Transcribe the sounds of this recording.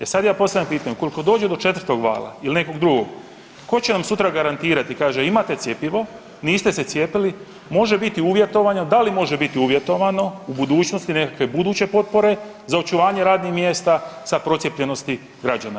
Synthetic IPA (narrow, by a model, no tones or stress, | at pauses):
esad̪jaːpo̞st̪ajampiːt̪aɲuko̞liko̞d̪o̞ːd͡ʑed̪o̞t͡ʃe̞t̪vrt̪o̞ɡʋa̰ːlˠa̰iline̞ko̞ɡd̪ɾuɡoɡ | ko̞t͡ɕenamsut̪ɾaɡaɾant̪iːɾat̪ikaːʒeimat̪e̞t̪sje̞piʋo̞ | niːst̪e̞se̞t̪sʲje̞pili | mo̞ʒe̞bit̪iuʋje̞t̪o̞ʋaɲod̪alimo̞ʒe̞bit̪iuʋje̞t̪o̞ʋano̞ubud̪uːt͡ʃno̞st̪ine̞kakʋe̞bud̪uːt͡ɕe̞po̞t̪̚po̞ɾe̞ | zao̞t͡ʃuʋaːɲe̞ɾaːd̪nixmje̞ːst̪asapɾo̞t̪sjepʎe̞no̞st̪i | ɡɾad͡ʒana